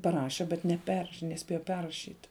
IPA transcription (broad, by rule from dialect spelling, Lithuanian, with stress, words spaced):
pɐˈrɑːʃʲɛ bʲɛt nʲɛˈpʲɛrʃ nʲɛˈsʲpʲeːjɛ ˈpʲɛrrɐʃʲiːt